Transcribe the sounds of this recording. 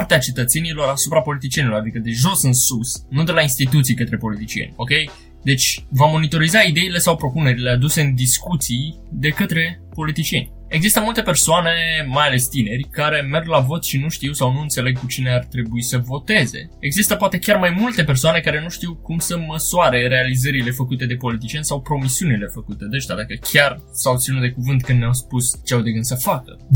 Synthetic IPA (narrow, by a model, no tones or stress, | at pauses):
rt̪eat͡ʃe̞t̪ət̪se̞nilo̞ɾasupɾapo̞lit̪̬it͡ʃie̞nilo̞ɾad̪ikəd̪e̞ʒo̞sɨnsusnud̪e̞lainst̪it̪̬ut̪sijkət̪ɾe̞po̞lit̪it͡ʃijḛnʲo̞kʲe̞j | d̪e̞t͡ʃʲvamo̞nit̪o̞ɾizaid̪e̞ile̞sawpɾo̞pune̞ɾile̞ad̪use̞ɨnd̪iskut̪sij | d̪e̞kət̪ɾe̞po̞lit̪it͡ʃije̞̰nʲ | e̞ɡzist̪əmult̪e̞pe̞rsoane̞majale̞st̪ine̞rʲkaɾe̞me̞rɡlavo̞t̪ʃinuʃt̪iwsawnuɨnt̪se̞le̞ɡ̚kut͡ʃine̞art̪ɾe̞buisəvo̞t̪e̞ze̞̰ | e̞ɡzist̪əpoat̪e̞kʲarmajmult̪e̞pe̞rsoane̞kaɾe̞nuʃt̪iwkumsəməsuaɾe̞ɾe̞alizəɾile̞fəkut̪e̞d̪e̞po̞lit̪̬it͡ʃie̞nʲsawpɾo̞misiunile̞fəkut̪e̞d̪eʒt̪a̰d̪akəkʲʰarsawot̪sinut̪̚d̪ekuvɨnt̪̚kɨnd̪nʲawspust͡ʃeawd̪eɡɨnd̪səfakə̰